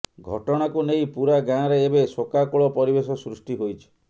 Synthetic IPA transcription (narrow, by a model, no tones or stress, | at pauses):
ɡʱɔʈɔɽ̃akunejpuɾaɡãɾeːbesokakuɭɔpɔɾibesɔsɾusʈiɦojt͡ʃʰi̥